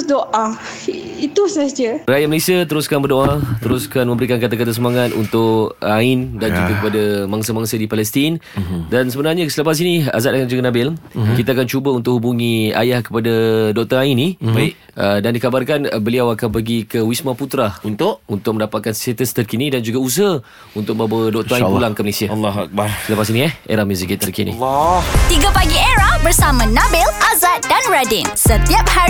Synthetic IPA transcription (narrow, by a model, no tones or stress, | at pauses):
doʔa | it̪usasd͡ʒərajaʔməlesiat̪əɾuskanbərdoat̪əɾʊskanmə̃mbəɾikankat̪akat̪̬as̬əmaŋat̪ṵnt̪ʊʔaɪndand͡ʒuɡakəpadamaŋsamaŋsadipalɛst̪indansəbənarɲãsələpas̬inia̰zat̪̚akand͡ʒuɡanabɪlkit̪aakant͡ʃubaunt̪ʊk̚hubuŋia̰jahkə̥padadɔk̚t̪əaini | ədandikabarkanbəliawakanpəɡikəwismãput̪ɾaunt̪ʊʔunt̪ʊk̚məndapat̪̚kanset̪əst̪ərkinidand͡ʒuɡaus̬əə | unt̪ʊk̚məawədɔk̚t̪əapulaŋkəməlesialːak̚baɾsələpasiniɛhḛɾahmuzikit̪t̪ərkinḭt̪iɡapaɡieɾahbərsamãnabɪlazat̪̚danɹadɪnsət̪iap̚ha